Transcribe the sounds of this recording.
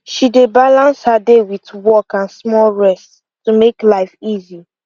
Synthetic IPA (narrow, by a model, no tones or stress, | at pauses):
ʃidebalãnshadewitwɔkãnsmɔlɹɛst | tumeklaɪfizi